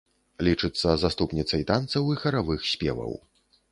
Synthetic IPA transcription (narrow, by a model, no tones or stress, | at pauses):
lʲit͡ʂɨt̪sːɐzast̪upnʲit̪sɐjt̪ant̪sɐwixɐɾavɨxsʲpʲɛ̰vɐ̰w